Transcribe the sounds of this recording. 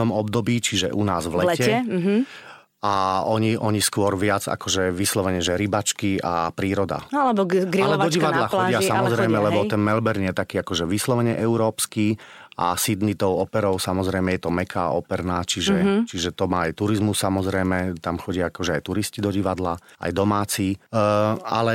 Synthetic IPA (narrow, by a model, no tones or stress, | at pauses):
ɔmɔbd̪ɔbiːt͡ʃiʒɛ̰ʔunaːzʋlɛcɛɦ | aɔɲiʔɔɲiskʊɔɾʋɪad͡za̰kɔʒɛʋislɔʋɛɲɛʒɛɾibat͡ʃkia̰pɾiːɾɔd̪a̰alɛbɔɡɾalɛɔiʋad̪laxɔɟɪasamɔzɾɛjmɛlɛbɔt̪ɛnmɛlbɛɾnjɛt̪akiːakɔʒɛʋislɔʋɛɲɛʔɛuɾɔːpskiː | a̰sid̪nit̪ɔʊɔpɛɾɔʊsamɔzɾɛjmɛjɛt̪ɔmɛkʰa̰ɔpɛɾnaːt͡ʃiʒɛt͡ʃiʒɛt̪ɔmaːajt̪uɾizmusːamɔzɾɛjmɛt̪amxɔɟɪaakɔʒɛajt̪uɾiscid̪ɔɟiʋad̪laa̰jd̪ɔmaːt͡siː | a̰lɛ